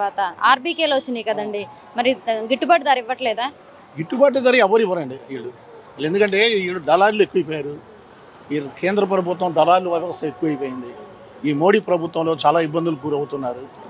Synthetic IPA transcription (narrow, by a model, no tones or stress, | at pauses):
aːt̪ɐa̰ːɾbiːkeːloːʋɐt͡ʃːindiːkɐd̪ɐɳɖi | mɐɾiɡiʈːubaːʈd̪aːɾiʋːɐʈlɛːd̪aː | ɡiʈːubaːʈ̬ɐd̪ɐːɾiɛʋːɐɾiʋɐɾɐɳɖiiːɽu | ɐend̪ukɐɳʈe̞ːiːɽud̪ɐlaːlue̞kːuʋɐjp̬oːjaːɾu | iːkeːnd̪ɾɐp̬ɐɾɐbut̪̬ːɐmd̪ɐlaːlːuʋɐɾɐɐsɐekːuʋɐjpo̞ːjind̪i | iːmo̞ːɽiːpɾɐbut̪ʋɐ̃mlo̞ːt͡ʃaːlaːibːɐnd̪ulukuːɾɐwut̪unːaːɾu